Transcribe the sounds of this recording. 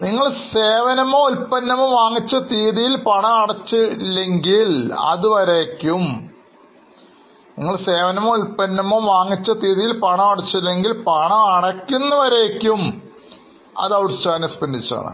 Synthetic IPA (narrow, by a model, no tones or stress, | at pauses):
niŋːɐɭseːʋɐnɐmoːulpɐnːɐmoʋaːŋːit͡ɕːɐt̪iːðijilpɐɳɐɐɽɐt͡ɕːɨlːeŋɡilɐ̰ðuʋɐɾeːkʲːum | nḭŋːɐɭse̞ːʋɐnɐmoulpɐnːɐmoːʋaːŋːit͡ɕːɐt̪iːðijilpɐɳɐmɐɽɐt͡ɕːɐlːeŋɡilpɐɳɐɐɽɐkʲːunːɐʋɐɾeːkʲːum | ɐ̰ðɐʋɽst͡ɕːaːnɐspɐnd̪it͡ɕːa̰ːɳɨ̰